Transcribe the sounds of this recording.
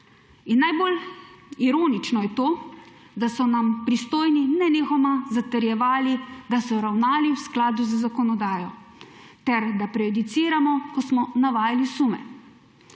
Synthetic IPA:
inːajboliɾoːnit͡ʃnɔjɛt̪oː | d̪asɔnampɾist̪oːjninɛneːxɔmazat̪əɾjɛʋaːlid̪asɔɾawnaːliwsklaːd̪uzəzakɔnɔd̪aːjɔ | t̪ɛɾd̪apɾɛjɔd̪it̪siːɾamɔkɔsmɔnaʋaːjalisumɛ̰

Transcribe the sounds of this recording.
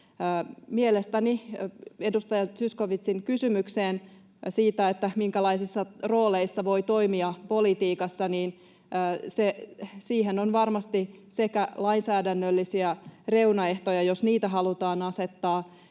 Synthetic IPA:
mielest̪ænie̞dust̪ɑjɑsyskoʋit̪siŋkysymykseːn | siːt̪æet̪ːæmiŋkælɑisisːɑro̞ːleisːɑʋo̞jt̪o̞imiɑpo̞lit̪iːkɑsːɑniːnː | sesiːɦenonʋɑrmɑst̪i | se̞kælɑinsæːdænːølːisiære̞wnɑe̞ht̪ojɑjosniːt̪æɦɑlut̪ɑːnɑse̞t̪ːɑː

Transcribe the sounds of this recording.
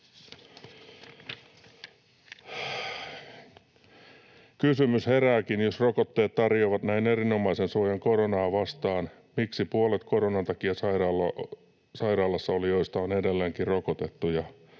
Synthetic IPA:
kysymyshe̞ɾæːkinjosrokot̪ːeːt̪t̪ɑrjoʋɑt̪næine̞rino̞mɑise̞nsuojɑŋko̞ɾonɑːʋɑst̪ɑːn | miksipuolet̪ko̞ɾonɑnt̪ɑkiɑsɑirɑl | sɑiɾɑːlɑsːɑolijo̞ist̪ɑone̞delːeːŋkirrokot̪e̞t̪ːujɑ

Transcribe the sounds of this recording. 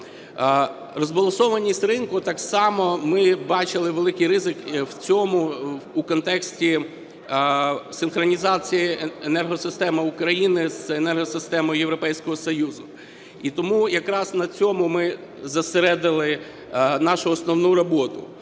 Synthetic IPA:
rɔzbɐlˠɔsɔʋɐnʲisʲtʲɾɪnkʊt̪ɑksɑmɔmɪbɑt͡ʃɪlˠɪʋelˠɪkɪjɾɪzɪkwt͡sʲɔmʊːkɔnt̪ɛksʲtʲi | sɪnxɾɔnʲizɑt͡sʲijienɛrɦɔsɪst̪ɛmɐukɾɐjinɪzenɛrɦɔsɪst̪ɛmɔjjeʋɾɔpɛjsʲkɔɦɔsɔjuzʊ | it̪ɔmujɐkɾɑznɐt͡sʲɔmʊmɪ | zɐseɾɛd̪ɪlˠɪ | nɑʃʊɔsnɔwnuɾɔbɔt̪ʊ̰

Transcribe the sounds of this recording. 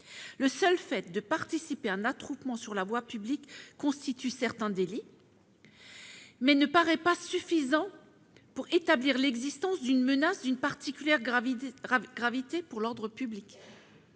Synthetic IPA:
ləsœlfɛt̪̚d̪əpaʁt̪isipeɛ̃nat̪χupmɑ̃syʁlavwapyblikːɔ̃st̪it̪ysɛʁt̪ɛ̃d̪eli | mɛnəpaʁɛpasyfizɑ̃ | puʁet̪abliʁlɛɡzist̪ɑ̃sd̪ynmənasd̪ynpaʁt̪ikʲyljɛʁ | ɡʁavit̪epuʁlɔʁd̪ʁəpyblik

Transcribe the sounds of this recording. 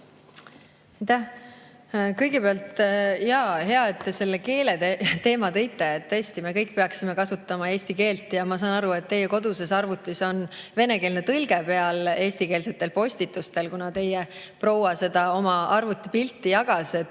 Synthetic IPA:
ɑjt̪æh | kɤjɡepeɑlt̪jɑhe̞ɑe̞t̪ːe̞se̞lːeke̞ːleet̪e̞ːmɑt̪ɤ̞jt̪ːˑeet̪t̪ːɤːsʲt̪ime̞kɤjk̚ːpe̞ɑksimekɑsut̪ːˑɑmɑeːsʲt̪ike̞ːlt̪ːˑjɑmɑsɑːnɑɾue̞t̪ːe̞jeko̞d̪̥use̞sɑrvut̪ˑːiso̞nve̞ne̞ke̞ːlne̞t̪ɯlɡ̥e̞pe̞ɑle̞ːst̪ike̞ːlse̞t̪ːˑe̞lpo̞sʲt̪it̪ːˑust̪e̞lkunɑt̪e̞jɛ | pro̞wɑse̞d̪̥ɑo̞mɑɑrvut̪ːˑi̥pilt̪ːijɑɡ̥ɑse

